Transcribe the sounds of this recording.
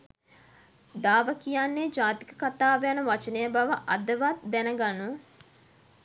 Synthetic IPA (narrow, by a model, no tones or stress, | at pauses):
d̪aːʋəkijanːeːd͡ʒaːt̪i̥kə̥kat̪aːʋejanɐʋat͡ʃənejəbaʋəʔɐd̪əʋat̪d̪ɛnəɡanu